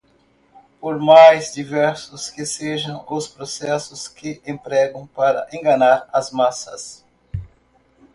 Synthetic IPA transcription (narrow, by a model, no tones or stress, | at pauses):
poɾmajzd͡ʒivɛɾsʊskɪseʒɐ̃w̃ʊspɾosɛsʊskɪʔẽmpɾɛɡɐ̃w̃paɾɐ̰ʔẽɡɐnaɾɐzmasɐs